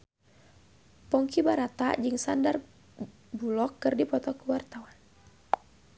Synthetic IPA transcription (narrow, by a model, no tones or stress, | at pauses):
pɔŋkibaɾat̪a̰d͡ʒɨŋsandar | bulɔkːɨrdipɔt̪ɔkuwart̪awan